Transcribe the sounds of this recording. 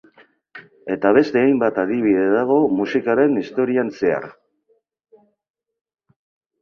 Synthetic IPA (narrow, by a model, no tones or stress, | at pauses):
e̞t̪aβ̞e̞st̪e̞ajmbat̪að̞iβ̞iðe̞ðaɣ̞o̞musikaɾe̞nist̪o̞ɾianse̞a̰ɾ